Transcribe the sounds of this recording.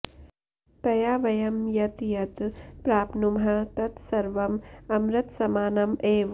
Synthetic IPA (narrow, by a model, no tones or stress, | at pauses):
pɐjaːʋɐjɐmjɐt̪jɐt̪pɾaːpnumɦɐt̪ɐt̪sɐɾʋɐmɐmɾɐt̪sɐmaːnɐmeːʋ